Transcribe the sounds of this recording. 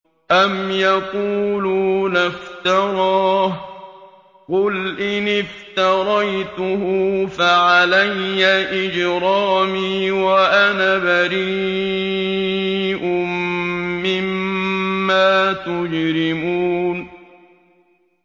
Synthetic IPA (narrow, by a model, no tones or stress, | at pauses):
ʔamjɑquːluːnaft̪ɑɾˤɑːh | qʊlʔɪnɪft̪ɑɾˤɑjt̪ʊhʊfaʕalajːaʔɪd͡ʒɾɑːmiːwaʔanabaɾiː | ʔʊmmːɪmː | aːt̪ʊd͡ʒɾɪmuːn